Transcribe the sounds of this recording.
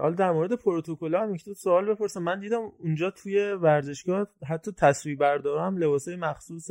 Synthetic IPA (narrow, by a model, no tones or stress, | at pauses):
hɒ̰ld̪æɾmoɾe̞d̪e̞pʰoɾot̪ʰokolɒːæmjekʰcʰi̥t̪ʰod̪soɒːlbe̞pʰo̞ɾsæmːænd̪iːd̪æmund͡ʒɒːt̪ʰuːje̞væɾze̞ʃɡɒːɦæt̪ʰːɒːt̪ʰæsviːbbæɾd̪ɒːɾæmle̞bɒːsɒːjemæxsuːse